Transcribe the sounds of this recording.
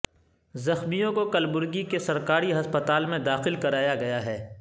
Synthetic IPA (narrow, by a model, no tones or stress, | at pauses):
zɐxmijõkokɐlbʊɾɡikesɐɾkaːɾiɦɐspət̪aːlmẽd̪aːxɪlkɐɾaːjaɡɐjaɦɛː